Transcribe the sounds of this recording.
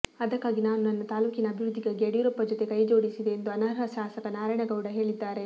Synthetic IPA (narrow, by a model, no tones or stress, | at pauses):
ɐd̪ɐkːaːɡinaːnunɐnːɐt̪aːluːkinɐːbʱiɾud̪ʱːiɡaɡeɐɽjuɾɐpːɐd͡ʒɔt̪e̞kɐjd͡ʒo̞ːɽisid̪e̞ːnd̪uɐnaːɾɦɐʃaːsɐkɐnaːɾɐɳɐɡɐwɽɐɦe̞ːɭid̪ːaːɾe̞